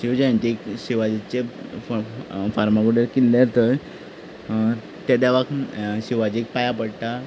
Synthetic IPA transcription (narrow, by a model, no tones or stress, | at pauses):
ɕiʋd͡ʑaɳt̪ikɕiʋad͡ʑit͡ɕe | faɾmaɡuɽeɾkilːaɾt̪əj | t̪ed̪aʋakɕiʋad͡ʑik̚pajapəɽt̪a